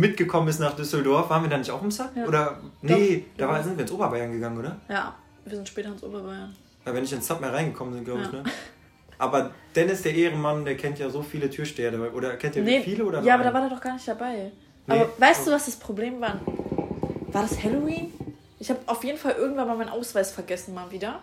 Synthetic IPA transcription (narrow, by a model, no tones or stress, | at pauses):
mɪt̚ɡ̥əkʰɔmənɪstnaːχd̥ʏsl̩dɔɐfv̥aːʁnviːɐdaːnɪçtaʊxɪmsapoːɾɐnəd̥aːvazɪntviːɐɪnsʔoːbɐbaɪɐnɡəɡaŋənʔoːdɐja̰ː | viːzɪntʃpɛːtɐɪnsʔo̰ːbɐbaɪɐn | aɪvɛnɪçtɪnsap̚meːlʁaɪnɡəkʰɔmənzɪn̚ɡlaʊɪɪçnə | ʔa̰ːbɐd̥ɛnɪsd̥eːɐʔeːəʁəmandeːɐkʰɛntjaːzoːfiːlətʰyːɐʃteːɐdəvalʔoːɾɐɛɐkʰɛntiːɐnefiːləoːdɐjaːabɐɾaːvaɐdeːɐdɔχɡ̥aːɐnɪçtd̥abaɪ | ʔnaːbɐvaɪstd̥uːvasd̥aspʁ̥obleːmvaːɐn | vaːɐɾashɛloiːn | ʔɪçhaːbəʔaʊfjeːdn̩falʔɪɐɡŋ̩tv̥anmaːlmaɪnʔa̰ʊsv̥aɪsfɛɐɡɛsn̩maːlviːdɐ